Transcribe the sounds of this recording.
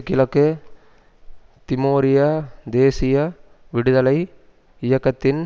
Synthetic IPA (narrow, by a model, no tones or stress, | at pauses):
kːɪlɐkːɯ | t̪ɪmoːɾɪjɐd̪eːsɪjɐ | ʋɪɽɯðɐlɐɪ | ɪjɐkːɐt̪ːɪn